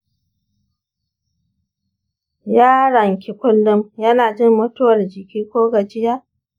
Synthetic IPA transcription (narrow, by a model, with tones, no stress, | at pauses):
jaː˦ɽɐ˨ŋkʲɪ˨kʷʊ˦lːʊ˦mjɐ˦naː˨d͡ʒɪ˦mːɐ˦tʊ˦wɐ˨rd͡ʒɪ˨kʲiː˦kʷoː˦ɡa˨d͡ʒɪ˦jaː˦